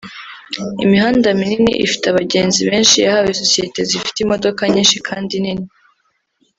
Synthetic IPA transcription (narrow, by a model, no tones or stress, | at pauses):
ḭmiɦaːndamininḭʔḭfi̥teaβaɟe̞ːnziβe̞ːnʃijahawesosije̞te̞zifi̥timo̞do̞kaɲiːnʃikʰaːndinini